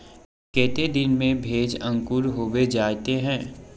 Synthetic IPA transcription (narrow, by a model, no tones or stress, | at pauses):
kɛːt̪ed̪ɪnmẽbʱeːd͡ʒɐ̃ŋkʊɾɦoːʋed͡ʒaːt̪eɦɛ̃ː